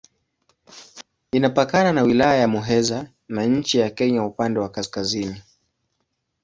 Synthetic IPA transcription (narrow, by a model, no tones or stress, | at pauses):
inapakananawilajajamuɦɛza | naɲ̩t͡ʃijakɛɲaupandɛwakaskazini